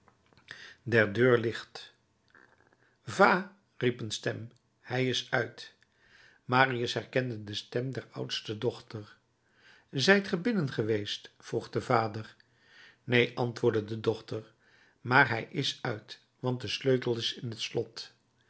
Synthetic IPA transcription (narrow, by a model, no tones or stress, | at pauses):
dɛɹdøːɹlɪχt | vaː | ripənstɛm | hɛjɪsœɥt | maːriəsɦɛrkɛndədəstɛmdɛɹʌ̰wtstədɔχtəɹ | zɛjtχəbɪnənχəʋejstfruχdəvaːdəɹ | nejʔɑntʋʊːɹdədədɔχtəɹ | maːɹɦɛjʔɪsœɥt | ʋɑnt̚dəsløɥtəl̩ˠɪsɪnɦətslɔt